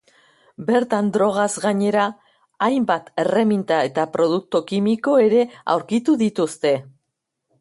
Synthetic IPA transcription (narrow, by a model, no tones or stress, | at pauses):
be̞ɾt̪and̪ɾo̞ɣ̞azɣaɲe̞ɾaː | jmbat̪e̞re̞mint̪ae̞t̪apɾo̞ð̞uk̚t̪ukimiko̞e̞ɾe̞a̰wɾkit̪uðit̪ust̪e̞